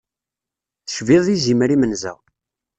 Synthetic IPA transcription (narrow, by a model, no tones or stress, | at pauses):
θə̥ʃviðˤizimɾimənzæ̰